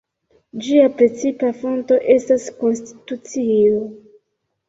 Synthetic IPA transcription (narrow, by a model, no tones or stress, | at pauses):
d͡ʒiapɾe̞t͡sipafo̞nto̞ʔe̞stasko̞nsti̥tut͡sio